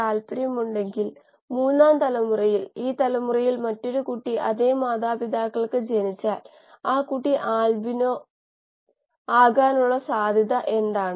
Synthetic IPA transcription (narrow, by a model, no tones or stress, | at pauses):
aːlpɐɾjɐmuɳɖe̞ŋɡil | muːnːaːnt̪ɐlɐmurɐjiliːt̪ɐlɐmurɐjilmɐtːo̞ɾukuʈːiʔɐ̰ðeːmaːðaːpid̪aːkːɐɭkɨd͡ʑenit͡ɕːaːl | aːkuʈːiʔaːlbinoː | aːɣaːnuɭːɐsaːd̪ʱɐðɐʔe̞nd̪aːɳɨ